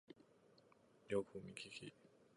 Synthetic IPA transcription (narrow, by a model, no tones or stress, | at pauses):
jokʰɯmʲikʲikʲi